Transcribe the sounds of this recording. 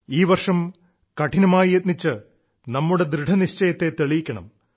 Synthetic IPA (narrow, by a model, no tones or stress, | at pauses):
iːʋɐrʂɐm | kɐʈʰinɐmaːjijet̪̚nit͡ɕːɨ | nɐmːuɽe̞d̪ɾɨɖʱɐniɕt͡ɕɐjɐt̪ːe̞t̪eɭijikʲːɐɳɐ̰m